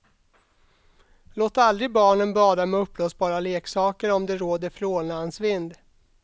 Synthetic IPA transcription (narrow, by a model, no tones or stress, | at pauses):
loːt̪ald̪ɾɪɡbɑːɳənbɑːd̪amɛɵpːloːsbɑːɾaleːksɑːkəɾɔmd̪ɛɾoːd̪əɾfɾoːnansvɪnd̪